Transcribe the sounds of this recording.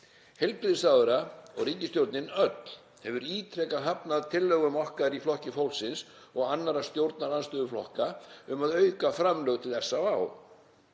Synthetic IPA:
hɛlpɾɪðsawðɛɾaɔ̰ɣriːcɪst̪jowɾt̪nɪnœt̪l | hɛvʏɾiːt̪ʰɾɛkaɦapnaðt̪ʰɪlːœɣʏmɔhkaðɪɾiflɔhcɪfowlsɪns | ɔɣanːaɾast̪jowɾt̪̚naɾanst̪ʏːðʏflɔ̰hkaʏmaðœɥkafɾamlœɣt̪ʰɪlθɛsːavaːw

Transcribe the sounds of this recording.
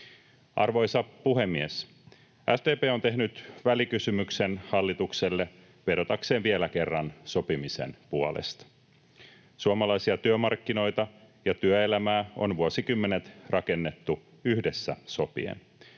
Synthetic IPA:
ʔɑrʋo̞jsɑpuɦe̞mːies | ʔæst̪eːpeːo̞nt̪e̞ɦnyt̪ʋælikysymyksenhɑlːit̪ukse̞lːe | ʋe̞ɾo̞t̪ɑkse̞ːnʋielæke̞rːɑnso̞pimise̞̰npuolḛst̪ɑ̥ | suɑmɑlɑjsiɑt̪yømɑrkːino̞jt̪ɑ | jɑt̪yøelæmæːo̞̰nʋuosikymːe̞ne̞t̪rʔɑke̞nːet̪ːu | yhde̞sːæ̰so̞pḭḛn

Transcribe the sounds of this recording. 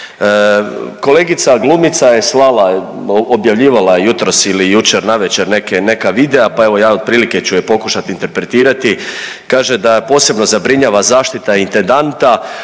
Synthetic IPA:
ko̞le̞ːɡit̪saɡlˠumit̪saje̞slalˠa | objaʋʎiːʋalajejut̪ɾo̞silijut͡ʃeɾnaʋe̞t͡ɕeɾne̞kene̞kaʋid̪eapae̞ʋo̞jaːo̞d̪̚pɾiːlike̞t͡ɕujepo̞kuʃat̪iːnt̪e̞ɾpɾe̞t̪iːɾat̪i | kaːʒe̞d̪apo̞ːse̞bno̞zabɾiɲaːʋazaːʃt̪it̪aint̪end̪ant̪a

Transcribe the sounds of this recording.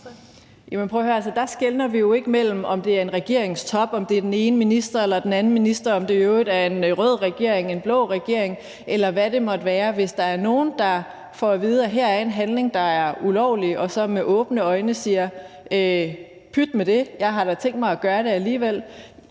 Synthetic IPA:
jæmenpʰʁɔhøɐæls̬əd̥ɑ̈sɡ̥elnɐʋijo̝e̝ɡ̥əmel̰m̩ɒ̽md̥e̝æɐe̝nʁɛɡ̥e̝̰ɐ̰e̝ŋst͡sʰɒ̽b̥ɒ̽md̥e̝d̥ene̝ːnəminisd̥ɐelɐd̥enæn̩minisd̥ɐɒ̽md̥e̝ød̥æɐe̝nʁɔð̰ˠʁɛɡ̥e̝ɐe̝ŋe̝nb̥lɔ̽ʊʁɛɡ̥e̝ɐ̰e̝ŋ | ʔelɐʋæɾe̝mɒ̽d̥ʋæːɐʋe̝sd̥ɑ̈æɐno̝ːn̩d̥ɑ̈ | fɒʋiːð̞ˠæɦæɐ̰æɐe̝nɦænle̝ŋd̥ɑ̈æɐulɒʊ̰liɒ̽sɒ̽meʔɔ̽ːb̥nəɒ̽ɪnəsiːɐ | ø | pʰyd̥med̥e̝jɑ̈ɪɦɑ̈ɾ̥ɑ̈t͡sʰeŋ̰d̥mɑ̈ɪæɡ̥ɶːɐɾ̥e̝æliːʋel̰

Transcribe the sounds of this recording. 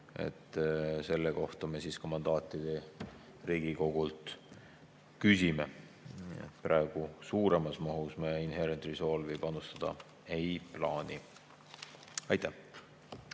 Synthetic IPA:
ḛt̪ːse̞lːeko̞ht̪ɑme̞siːskɑmɑnd̪̥ɑːt̪ˑːid̪̥e̞ | riːɡ̥iko̞ɡ̥ult̪ | kysime | ḛt̪pɾʔɑˑe̞ɡ̥usuːɾe̞mɑsmɑɦusmeinheɾent̪riso̞ːlvib̥ɑnust̪ɑd̪̥ɑ̰ | ejplɑːnʲi | ɑjt̪ːæh

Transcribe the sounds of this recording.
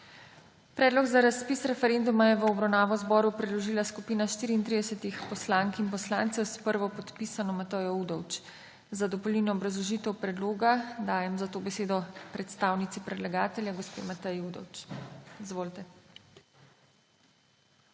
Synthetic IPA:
pɾɛːd̪lɔɡzaɾaspiːsɾɛfɛɾeːnd̪umajɛʋəɔbɾawnaːʋɔzbɔːɾupɾɛd̪lɔʒiːlaskupiːnaʃt̪iːɾiːnt̪ɾid̪ɛsɛt̪ixpɔslaːŋkinpɔslaːnt̪sɛwspəɾʋɔpɔt̪pisanɔmat̪əjɔud̪ɔwt͡ʃ | zad̪ɔpɔliːnɔːbɾazlɔʒiːt̪ɛwpɾɛd̪loːɡad̪aːjɛmzat̪oːbɛseːd̪ɔpɾɛt̪st̪aːwnit̪sipɾɛd̪laɡaːt̪ɛljaɡɔspḛːmat̪ɛjuːd̪ɔ̰wt͡ʃizʋoːlt̪ɛ

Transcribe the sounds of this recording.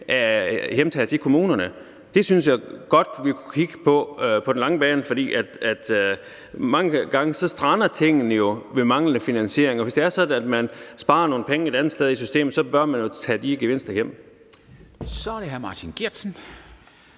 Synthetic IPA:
ʔæhemt͡sʰɛ̰ːt͡sʰe̝kʰo̝muːnɐnə | d̥e̝synsjɑɡ̥ɒ̽d̥ʋikʰukʰiɡ̥əpʰɒ̽pʰɒ̽den̩lɑ̈ŋəb̥ɛːnəfɒ̽d̥ḭːʔæd̥æd̥ | mɑ̈ŋəɡ̥ɑ̈ŋəsɒ̽sd̥ʁɑnɐt͡sʰe̝ŋ̰n̩əjo̝ʋe̝mɑ̈ŋlənəfinænɕe̝̰ɐ̰eŋɒ̽ʋe̝sd̥e̝æɐsɒ̽d̥n̩æd̥mænsb̥ɑ̈ːɐno̝ːn̩pʰeŋəe̝d̥ænð̩ˠsd̥eð̞ˠisysd̥e̝̰ːmð̩ˠsɒ̽b̥ɶɐmænjo̝t͡sʰɛ̰ːd̥iɡ̥eʋe̝n̰sd̥ɐjem̰ | sɒɾ̥eɦæmɑːt͡sʰinɡ̥iɐd̥sn̩

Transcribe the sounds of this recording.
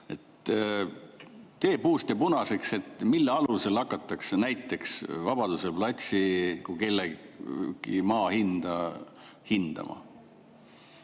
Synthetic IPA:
e̞t̪ | e̞ːpuːst̪epunɑse̞kse̞t̪ːmilːeɑluse̞lɑkːˑɑt̪ːˑɑksenæjt̪ːˑe̞ksvɑb̥ɑd̪̥uselplɑt̪ʲsikuke̞lːe | ɡ̥ḭmɑːhind̪̥ɑ | hind̪̥ɑ̰mɑ̰

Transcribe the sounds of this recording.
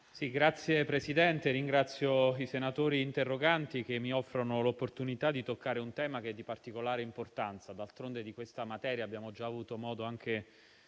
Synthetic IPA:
siɡɾat̪sːjepɾesid̪ɛnt̪eɾiŋɡɾat̪sːjoisenat̪oːɾiːnt̪erːoɡant̪ik̟emːiɔfːɾonolopːort̪unit̪ad̪ːit̪okːaːɾeunt̪ɛːmak̟eɛd̪ːipart̪ikolaːɾeimport̪ant̪sad̪alt̪ɾond̪ed̪ikwest̪amat̪ɛːɾjaːbːjaːmod͡ʒaːvuːt̪omɔːd̪oaŋk̟e

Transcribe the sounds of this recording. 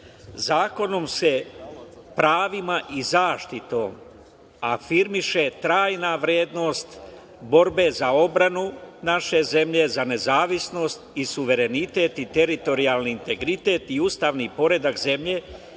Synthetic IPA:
zaːko̞no̞mse̞ | pɾaːʋimaʔizaːʃt̪it̪o̞ːm | afiɾmiʃe̞t̪ɾaːjnaʋɾjeːd̪no̞ːst̪ | bo̞ɾbe̞zao̞bɾanunaʃe̞ze̞mʎe̞zane̞zaːʋisno̞ːst̪isuʋe̞ɾe̞nit̪e̞ːt̪it̪e̞ɾit̪o̞ɾiaːlˠniːnt̪e̞ɡɾit̪e̞ːt̪iuːst̪aːʋnipo̞ɾe̞d̪akze̞mʎe̞

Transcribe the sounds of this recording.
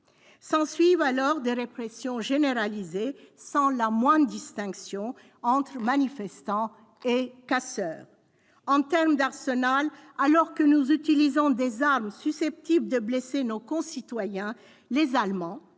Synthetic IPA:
sɑ̃sɥivalɔʁd̪eʁepχɛsjɔ̃ʒeneʁalizesɑ̃lamwɛ̃d̪ʁd̪ist̪ɛ̃ksjɔ̃ | ɑ̃t̪χmanifɛst̪ɑ̃ | ekasœːʁ | ɑ̃t̪ɛʁmd̪aʁsənalalɔʁkənuzyt̪ilizɔ̃d̪ezaʁmsysɛp̚t̪ibld̪əblesenokɔ̃sit̪wajɛ̃ | lezalmɑ̃

